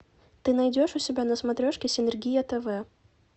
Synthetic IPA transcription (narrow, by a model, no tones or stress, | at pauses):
t̪ɨnɐjdʲoʂʊsʲɪbʲanəsmɐt̪ɾʲoʂkʲɪsʲɪnɛrɡʲijɐt̪ɛvɛ